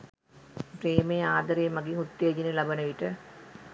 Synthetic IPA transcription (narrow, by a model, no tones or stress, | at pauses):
pɾeːmejaːd̪ɐɾejːmɐɡiŋut̪ːeːd͡ʒinelabənəʋiʈə